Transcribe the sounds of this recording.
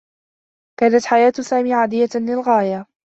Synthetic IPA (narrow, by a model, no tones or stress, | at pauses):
kaːnat̪ħajaːt̪saːmiːʕaːd̪ɪjːalɪlɣaːja